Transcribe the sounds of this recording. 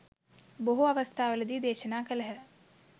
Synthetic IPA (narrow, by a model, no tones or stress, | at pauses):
boɦuɐʋəst̪ʰaːʋɐlɐd̪iːd̪eːʃənaːkɐləɦɛ